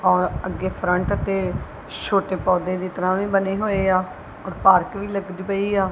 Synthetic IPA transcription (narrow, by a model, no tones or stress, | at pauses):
ɔːɾəɡːeːpʰɾəɳʈət̪eː | ʃʰoːʈeːpɔːd̪ẽːd̪iːt̪əɾãːʋĩːbəneːɦoːeːaː | ɔːɾpaːɾkʋiːləɡd̪iːpəiːaː